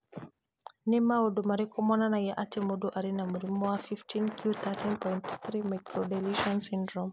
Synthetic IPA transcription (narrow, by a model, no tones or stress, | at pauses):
nimawɔɗɔmaɾikɔmɔnanajaʔatɛmɔdɔʔaɾinamuɾimɔwafiftʰinkʰiut̪atʰinpɔjntt̪ɾimakɾɔdɛliʃɔnsindɾɔm